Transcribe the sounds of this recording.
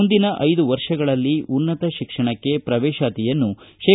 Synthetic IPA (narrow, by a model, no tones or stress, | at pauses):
und̪inɐʔɐjd̪uʋɐɾʂɐɡɐɭɐlːiunːɐt̪ɐʃikʂɐɳɐkːe̞pɾɐʋɛːʃaːt̪ijɐnːuʃeː